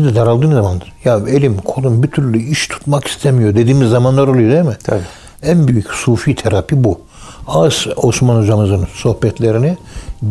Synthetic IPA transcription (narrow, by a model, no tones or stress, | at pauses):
izd̪ɛd̪aɾalˠd̪ɯːnzamand̪ɯɾjaelʲimkʰo̞lˠumbit̪ʰyɾlʲyiʃt̪ʰu̥t̪maki̥st̪ʰemijo̞d̪e̞d̪iːmizːamanlˠaɾo̞lˠujo̞d̪emɪt̪ʰabi | ænbyjycsuːfit̪ʰeɾapʰibu | azo̞smanod͡ʒamɯzɯnso̞hbɛt̪ʰlʲeɾini